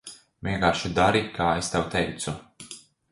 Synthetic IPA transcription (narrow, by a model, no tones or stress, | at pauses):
vʲiɛŋkaːɾʃid̪aɾikaːest̪awt̪ɛjt̪su